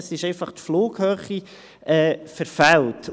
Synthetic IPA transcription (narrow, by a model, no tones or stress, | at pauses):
sɪʃɛɪfɑχt̪floːɡhøːχi | ɛːfɛɾfælt